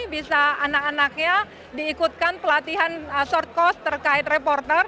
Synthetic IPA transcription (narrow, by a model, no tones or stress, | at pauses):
bisaanakanak̚ɲa | diːkut̪̚kanpəlat̪iɦansɔrt̪̚kɔst̪ːərkaɪt̪̚repɔrt̪ər